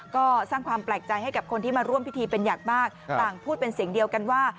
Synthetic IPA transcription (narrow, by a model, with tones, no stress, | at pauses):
kɔː˥˩saː˥˩ŋkʰwaː˧mplɛː˨˩k̚t͡ɕa˧jha˥˩jka˨˩p̚kʰo˧nt̪ʰiː˥˩maː˧ɾu˥˩əmpi˦˥t̪ʰiː˧pe˧njaː˨˩k̚maː˥˩k̚t̪aː˨˩ŋpʰuː˥˩t̪̚pe˧nsi˨˩˦ŋdi˧əwka˧nwaː˥˩